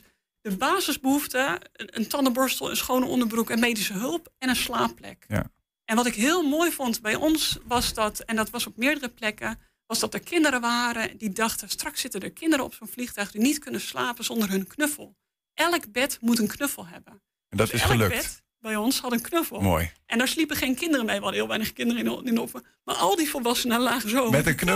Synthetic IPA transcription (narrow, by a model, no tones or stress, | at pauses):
d̥əbaːzəzbəɦuftəəntʰɔnəbɔɹstəl̩ˠə̰nsχoːnəɔ̰ndəɹbrukənmejdisəɦølˠpɛnənslaːplɛ̰k | ʔɛnʋɔtɪkɦɪəlˠmoːjfɔntbɛjʔɔnsʋɔsdɔtɛndɔtʋɔsɔp̚mɪədərəplɛkə | ʋɔsdɔt̚dəɹkʰɪndəɾəʋaːɾədidɑxtəstrɑksːɪtədəɹkʰɪndəɾəɔ̰psoːnflixtœɥxdinitkønəslaːpəz̥ɔndərɦɵnkʰnøfəlˠ | ʔɛlˠəkbɛtmutənkʰnøfəlˠɦɛ̰bə | ɛndɔtɪsəløk̚t | bɛjɔnshɑdənkʰnøfəlˠmo̰ːjʔɛndaːɹslipəχeːnkʰɪndərəmejʋɔdəhiːlˠʋɛjnəχəkɪndərəinofə | ma̰ɹʔɔlˠdifolˠʋɔsənəlaːxzoːmɛtəkn